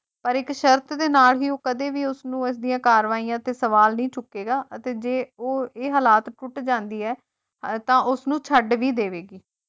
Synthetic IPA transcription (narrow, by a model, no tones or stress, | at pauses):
pəɾɪkʃəɾt̪d̪eːnaːlɦiːoːkəd̪eːʋiːʊsnũːɪsd̪ijãːkaːɾʋaːijãːt̪eːsəʋaːlnĩːt͡ʃʊkːeːɡaːʔət̪eːd͡ʒeːoːeːɦəːlaːt̪ʈʊʈd͡ʒãːnd̪iːɛː | t̪ãːʔʊsnũːt͡ʃʰəɖʋiːd̪eːʋeːɡiː